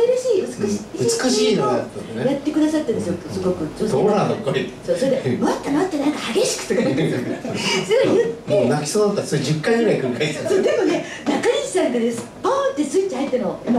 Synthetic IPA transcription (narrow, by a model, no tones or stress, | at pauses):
eɾɯɕiːɯt͡sɨ̥kɯɕiɯt͡sɨ̥kɯɕiːnoat̪ːaejat̪ːe̞kɯ̟d̪asat̪ːand̪s̬jot̪ːosɨɡo̞kɯ̟t͡ɕoːd̪oɾanokːoɾit̪soːsoɾed̪emoat̪ːemot̪ːenãŋkahaɡe̞ɕi̥kɯ̟̥t̪ːekait̪et̪sojɯt̪ːmːoenakʲi̥soːd̪at̪ːat̪ːesoɾed͡ʑɨkːaiɡɯ̟ɾaikɯɾikaiasoːd̪e̞mo̞ne | nakaɲʲii̥sãŋkad̪esɨ̥ | põːnt̪ːe̞sɨit͡ɕːihait̪ːenoima